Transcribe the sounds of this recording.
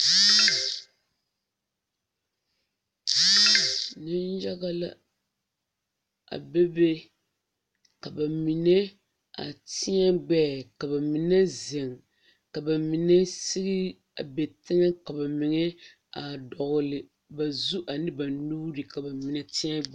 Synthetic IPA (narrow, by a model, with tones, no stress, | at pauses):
nɨ˦n˦ja˦ɣa˦la̰˨ | a̰˨be˦be˦ | ka˨ba˨mi˨nɛ˦ | a̰˨tɪ˦ɲɛ˦ɡ͡bɛː˦˨ka˨ba˨mi˨nɛ˦ze˨ŋ | ka˨ba˨mi˨nɛ˦sɪ˦ɣi˦ | a̰˨be˨tɪ˦ŋɛ˦ka˨ba˨mɪ˨ŋɛ˦ | a˨dɔ˨ɣlɪ˨ | ba˨zu˦ʔa˨nɨ˦ba˨nuː˦ɾɨ˨ka˨ba˨mi˨nɛ˨ti˦ɲɛ˦ɡ͡b